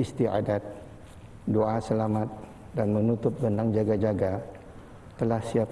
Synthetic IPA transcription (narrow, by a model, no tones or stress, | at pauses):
ist̪ia̰dat̪̚ | doasəlamat̪̚ | danmə̃nut̪ʊp̚ɡəndaŋd͡ʒaɡad͡ʒaɡa | t̪əlahsiap